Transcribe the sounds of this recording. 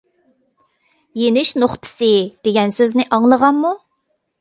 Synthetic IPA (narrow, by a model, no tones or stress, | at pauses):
jenɪʃnoχt̪ʰɨ̥sɨd̪̥eɡʲɛnsøznɪʔɑŋlˠəʁɑnmu